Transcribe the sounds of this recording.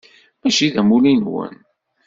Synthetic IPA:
mæʃiðæmulinwə̰n

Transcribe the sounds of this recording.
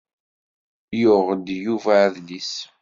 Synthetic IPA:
jʊʁd̪juvæðlis

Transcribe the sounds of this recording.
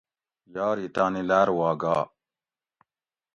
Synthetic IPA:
jaːɾit̪aːnilaːɾwaːɡaː

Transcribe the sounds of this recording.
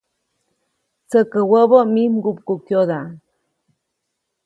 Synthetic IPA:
t͡səkəwəbomimɡupkukjod̪a

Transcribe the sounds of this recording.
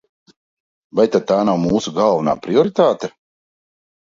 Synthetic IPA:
vajt̪ad̪̚t̪aːnawmuːsuɡalˠvana̰ːpɾiɔɾit̪aːt̪e

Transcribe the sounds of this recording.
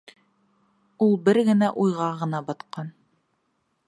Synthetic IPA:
ulˠbɘɾɡɘ̆næʔujʁɑʁɤ̆nɑbɑt̪qɑn

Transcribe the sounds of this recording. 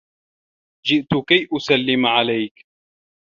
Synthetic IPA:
d͡ʒɪʔt̪ʊkajʔʊsalːɪmʕalajk

